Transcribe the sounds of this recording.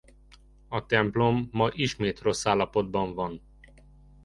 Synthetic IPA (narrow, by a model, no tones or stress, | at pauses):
ɒt̪ɛmplo̞mːɒʔiʃmeːt̪ro̞sːaːlːɒpo̞d̪̚bɒɱvɒn